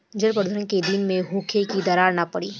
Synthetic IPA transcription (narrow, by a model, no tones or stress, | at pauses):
d͡ʒəɾpəɾd̪ʱənked̪inmẽɦuːkʰekid̪ɐɾaːɾnapɐɽiː